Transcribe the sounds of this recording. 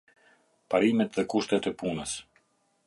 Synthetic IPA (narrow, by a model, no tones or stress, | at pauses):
paɾimɛt̪ðɛkuʃt̪ɛt̪ɛpunəs